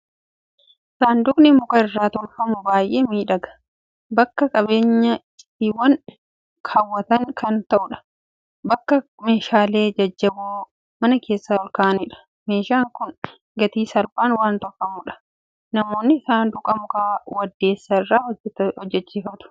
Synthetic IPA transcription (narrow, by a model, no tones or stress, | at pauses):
ʔɪsaːnd̪ʊknɪmʊkɐɪrːaːt̪ɔɾfɐmʊbaːjʔeːmiːᶑɐɡɐ̥ | bɐkːɐkʼɐbe̞ːɲːɐ | t̪ːiːwɐn | kʰaːwːɐt̪ɐŋkɐnt̪ɐʔʊᶑɐ̥ | bɐkːɐ | me̞ːʃaːle̞ːd͡ʒɐd͡ʒːɐbuː | mɐnɐke̞ːsːaːɔlkaːʔɐniːᶑɐ̥ | me̞ːʃaːŋkʊn | ɡɐt̪iːsɐlbaːnwaːnt̪ɔfɐmʊᶑɐ̥ | nɐmo̞ːnːɪɪsaːnd̪ʊkʼɐmʊkʼaːwɐd̪ːe̞ːsːɐɪrːaːhɔɛt̪hɔd͡ʒːɛt͡ʃːiːfɐt̪ʊ̥